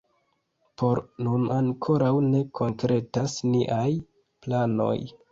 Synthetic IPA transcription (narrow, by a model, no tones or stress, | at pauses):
po̞ɾnunaŋkʰo̞ɾawne̞kʰo̞ŋkɾe̞tasniʔaj | plano̞̰j